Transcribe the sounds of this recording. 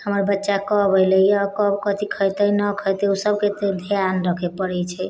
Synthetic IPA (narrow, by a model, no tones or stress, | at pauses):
həməɾbətːʃakɔbʱəjlejkɔbkət̪ikʰəjt̪əjnəkʰɔjt̪eusəbket̪ed̪ʱjanɾəkʰepəɾɛt͡ʃʰɛ